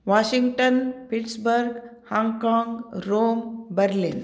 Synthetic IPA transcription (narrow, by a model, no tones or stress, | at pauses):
ʋaːʃiŋɡʈənpiʈsbəɾɡhãŋɡkãːŋɡɾoːmbəɾlin